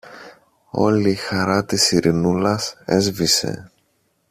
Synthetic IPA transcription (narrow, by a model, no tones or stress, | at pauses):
o̞̰liːxɐɾɐt̪isiɾʔinulɐse̞zvise̞̰